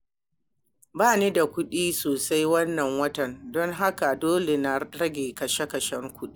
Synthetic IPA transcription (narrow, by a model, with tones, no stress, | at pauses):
baː˦˨neː˦da˨kʷʊ˦ɗiː˦soː˨sa˦jwɐ˦nːɐ˨ŋwɐ˦tɐ˨ndɔ˦ŋɦa˦ka˨doː˦le˨na˨ɽɐ˦ɡʲeː˨kɐ˨ʃe˦kɐ˨ʃɛ˦ŋkʷʊ˦ɗiː˦